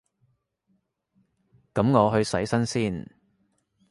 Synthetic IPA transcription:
kɐ˨˥mŋɔː˨˧ɦɵ˧ɥsɐ˨˥jsɐ˥nsiː˥˩n

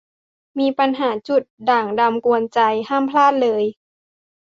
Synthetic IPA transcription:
miː˧pa˧nɦaː˩˦t͡ɕu˨˩t̪̚daː˨˩ŋda˧mku˧ənt͡ɕa˧jhaː˥˩˨mpʰlaː˥˩t̪̚lɤː˧j

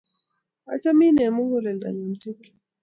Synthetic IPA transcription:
a̰˨t͡ʃa˦mi˦nɛ˨mo˦ŋɡo˦˨lɛ˨nda̰˨ɲa˨m̩˨ti˦kl

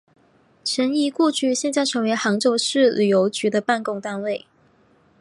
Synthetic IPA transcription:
ʂʰə˧˥ni˧˥ku˥˧t͡ɕy˥˧ɕjɛ˥˧nt͡sa˥˩ɪʈ͡ʂʰɤ˧˥ŋwe˧˥ɪxɑ˧˥ŋʈ͡ʂo˥˧ʊʂɻ̩˥˩ly˨˩jo˧˥ʊt͡ɕy˧˥d̪ə˧pa˥˧nkʊ˥˧ŋt̪a˥˧nwe˥˩ɪ

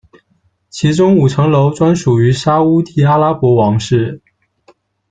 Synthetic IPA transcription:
t͡ɕʰi˧˥ʈ͡ʂʊ˥ŋu˨˩ʈ͡ʂʰɤ˧˥ŋlo˧˥ʊt͡swa˥nʂu˨˩y˧˥ʂa˥u˥t̪ʰi˥˩a˥la˥pwɔ˧˥wɑ˧˥ŋʂɻ̩˥˩

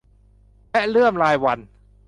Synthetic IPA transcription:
lɛ˦˥lɯ˥˩əmlaː˧jwa˧n

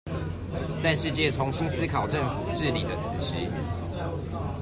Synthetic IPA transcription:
t͡sa˥˧ɪʂɻ̩˥˧t͡ɕjɛ˥˨t͡sʰo˧˦ŋɕi˦ŋs̩˦˥kʰɑ˨˩ʊʈ͡ʂə˥˨ŋfu˨˩ʈ͡ʂɻ̩˥˨li˨˩d̪ə˦t͡s̩ʰ˨˩ɕḭ˨˦

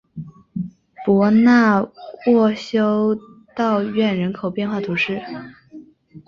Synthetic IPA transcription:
pwɔ˧˥na˥˧wɔ˥˩ɕjo˥ʊt̪ɑ˥˧ʊɥɛ˥˩nɻə˧˥nkʰo˨˩ʊpjɛ˥˧nxwa˥˩t̪ʰu˧˥ʂɻ̩˥˩

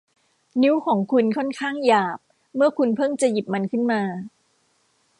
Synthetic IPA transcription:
ni˦˥wkʰɔː˩˦ŋkʰu˧nkʰɔ˥˩nkʰaː˥˩ŋjaː˨˩p̚ | mɯ˥˩ɐkʰu˧npʰɤ˥˩ŋt͡ɕa˨˩ji˨˩p̚ma˧nkʰɯ˥˩nmaː˧

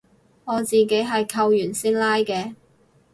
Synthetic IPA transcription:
ŋɔː˨˧t͡siː˨˩ke˨˥jɦɐ˨jkʰɐ˧wjyː˨˩nsiː˥nlaː˥jkɛː˧

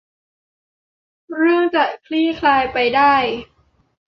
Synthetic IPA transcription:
ɾɯ˥˩əŋt͡ɕa˨˩kʰliː˥˩kʰlaː˧jpa˧jdaː˥˩j

